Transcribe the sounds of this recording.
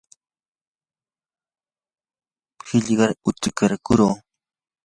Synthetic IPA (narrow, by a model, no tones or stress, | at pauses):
hɪʎɢɑɾʊt̪ɪkaɾkʊɾoː